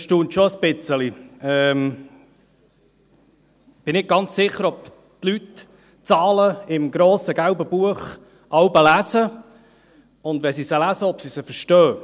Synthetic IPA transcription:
ʃtuːnt̪ʃoəspɪt͡səliɛːm | b̥ɪnɪɡ̚ɡ̥ɑnt͡ssɪχːəɾɔp | t̪lyt | t͡sɑːləɪmɡɾoːsəɡæwbəb̥uəχ | ʔɑwbəlæsə | ʊnd̪ʋɛsisəlæsəɔpsisəfəʃtœː

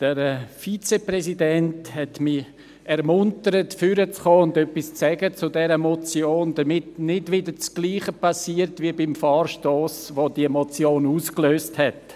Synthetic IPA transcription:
d̥əɾfit͡seprɛsidɛnthɛtmi | ɛɾmʊntəɾətfʏɾət͡sχoːʊndœpːist͡sɛɡət͡sʊdɛɾəmɔt͡sjoːnd̥əmɪtnɪdʋɪdəɾt͡sɡ̥liːχəpɑsiːəɾtʋiəbɪmfɑːrʃtoːsʋodiəmɔt͡sjoːnuːskløːsthɛt

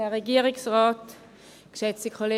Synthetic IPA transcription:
ɛʁeɡiːʁɪksʁɑːt | kʃɛt͡sd̥ikʰχole

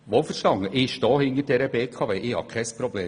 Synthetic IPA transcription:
ʋofəɾʃtɑŋːəʔɪʃtɔːhɪŋəɾd̥ɛɾəbeːkʰɑveːʔɪhɑ̰kʰɛɪspɾɔbleː

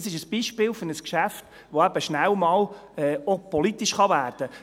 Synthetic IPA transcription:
sɪʃəsb̥iʃpɪːlfʏnəskʃæft | ʋoæb̥əʃnælmɑːlɛːɔpɔlit̪iʃχɑʋæːrd̥ə

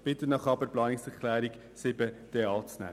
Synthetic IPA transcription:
b̥ɪt̪ənɑχɑbəɾplɑːnɪksɛkʰlæːɾik | sɪbəd̥eːɑːt͡snæ̰

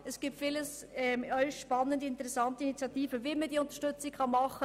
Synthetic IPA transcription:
ɛsɡ̥iːp̚tfiːləs | ɛmɔʏçʃpɑnːəndəɪntəʁɛsɑntəɪnit͡sjɑtiːfəviːməd̥iːʊntɐʃtʏt͡sɪkkʰɑnmɑχə

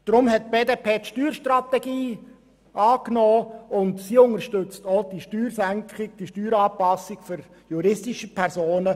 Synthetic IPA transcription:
d̪̥ɾʊmhɛt̚b̥eːdeːpʰeːtʃtyːɾʃtɾɑt̪ɛɡiː | ɑːknoːʊntsiːʊŋəɾʃtʏt͡stɔd̥iʃtyːɾsæŋkχɪk̚d̥iʃtyːɾɑːpɑsːɪɡføɾ | juɾɪstiʃəpʰɛɾsoːnə

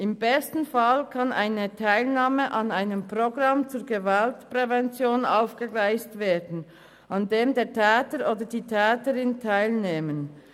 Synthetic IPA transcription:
ʔɪmbɛstn̩falkʰɑnʔa̰ɪnətʰaɪlnaːməʔɑnaɪnəmpʁ̥oɡʁɑmt͡suːɾɡəvaltpʁ̥ɛvɛnt͡sjoːnʔaʊfɡ̥əɡlaɪstveːdn̩ | ʔɑndeːmdeːtʰɛːtəɾoːdəd̥iːtʰɛːtəʁɪntʰaɪlneːmən

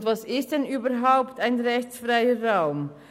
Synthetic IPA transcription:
tvɑsɪst̚d̥ɛnʔyːbəɦaʊptaɪnʁɛçt͡sfʁaɪəʁaʊm

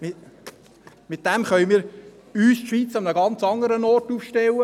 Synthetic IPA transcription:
mɪ | mɪt̪̚d̥ɛmχœʏəmiːɾ | yːsʃʋiːt͡sɑmnəɡɑnt͡sɑŋəɾənɔːrtufʃtɛlːə

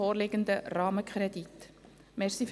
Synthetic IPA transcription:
oːɾlɪɡ̥ənd̪ərɑːməkχɾɛdit | mɛɾsif

